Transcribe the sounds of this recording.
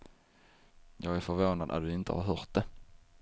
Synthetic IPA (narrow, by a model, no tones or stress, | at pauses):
jɑːɡæɾfœɾvoːnad̪ʔa̰t̪̚d̪ɵɪnt̪ə̰hɑɾɦœːɾt̪̚d̪ɛ